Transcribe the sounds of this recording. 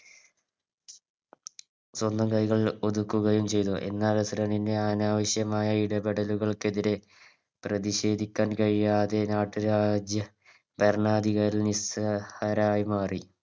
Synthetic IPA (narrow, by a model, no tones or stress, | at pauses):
swonːɐkɐjɣɐɭo̞d̪ukːuɣɐjumt͡ɕe̞jt̪uʔe̞̰nːaːlɐsɾɐninde̞aːnaːʋɐɕjɐmaːjɐiɽɐbeɽɐluɣɐɭke̞ðiɾe̞ | prɐðiɕe̞ːd̪ʱikʲːaːnkɐɻijaːðe̞naːʈːuɾaːd͡ʑjɐ | berɳaːd̪iɣɐɾilnishɐɾaːjmaːri